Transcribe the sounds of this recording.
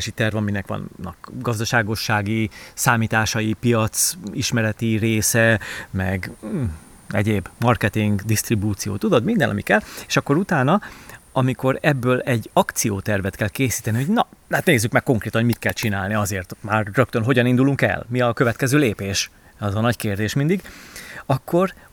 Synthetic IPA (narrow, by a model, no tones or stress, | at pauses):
ʃit̪ɛrvɒminɛkʋɒ̰nːɒ̰kɡɒzd̪ɒʃaːɡo̞ʃːaːɡisaːmiːt̪aːʃɒipijɒt̪siʃmɛɾɛt̪ireːsɛmɛɡ | ɛɟeːbmɒrkɛt̪iŋɡd̪ist̪ribuːt̪sijo̰ːt̪ud̪o̞d̪mind̪ɛnɒ̰mikɛleːʃɒkːo̞ɾut̪aːnɒɒmiko̞ɾɛbːøːlɛɟːɒkt̪sijoːt̪ɛrvɛt̪kɛlkeːsi̥ːt̪ɛniho̞ɟnɒd̪ɛɦat̪neːzːykmɛkːo̞ŋkreːt̪ɒnɦomit̪kɛlt͡ʃinaːlniɒzeːrt̪maːrrøk̚t̪ønɦo̞ɟɒnind̪uluŋkɛ̰lmiɒkø̞vɛt̪kɛzøːleːpeːʃ | ɒzɒnɒckeːrd̪eːʃmind̪iɡɒkʰːo̞r